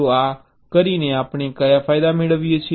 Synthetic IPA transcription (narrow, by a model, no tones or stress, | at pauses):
oːaː | kəɾiːnẽːaːpɳ̃eːkəjaːpʰaːɪd̪aːmɪɽəʋiet͡ʃʰi